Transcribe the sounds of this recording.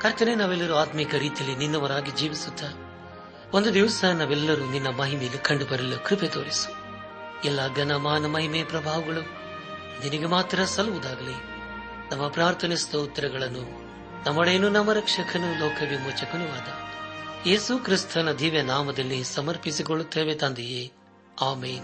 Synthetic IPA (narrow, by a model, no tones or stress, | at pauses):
kɐɾt̪ɐnenaːʋɛlːɐɾuaːt̪mikɐɾiːt̪ijɐlːininːɐʋɐɾaːɡid͡ʒiːʋisud̪ːɐ | ond̪ud̪iʋsɐnaːʋɛlːɐɾuninːɐmɐɦimejnːukʰɐɳɖubɐɾilukɾipet̪oːɽisu̥ | ɛlːaɡɐnɐmaːnɐmɐɦimeɐpɾɐbʱaːʋɐɡɐɭu | ninɐɡemaːt̪ɾɐsɐluʋud̪aːɡɐli | nɐmːɐpɾaːɾt̪ʰɐnist̪ɐut̪ːɐɾɐɡɐɭɐnːu | nɐmːɐɭeːnunɐmːɐɾɐkʂɐkʰɐnulɔːkʰɐʋimut͡ʃɐkunuʋaːd̪ɐje̞ːsukɾist̪ʰɐnɐd̪ʱiːʋjɐnaːmɐd̪ɐlːisɐmɐɾpisikoɭut̪ːeːʋet̪aːnd̪ijeː | aːmeːn